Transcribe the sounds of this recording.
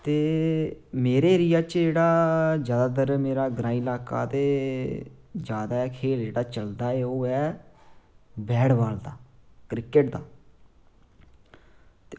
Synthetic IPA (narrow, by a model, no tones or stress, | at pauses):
t̪eː | meːɾeːɾɪjaːt͡ʃd͡ʒeːɽaːd͡ʒjaːd̪aːd̪əɾmeːɾaːɡɾãːiːlaːka̰ːt̪eː | d͡ʒjaːd̪aːɛːkʰeːld͡ʒeːɽaːt͡ʃəld̪aːɛːoːɛː | bɛːɽʋaːld̪aːkɾɪkəʈd̪a̰ː | t̪e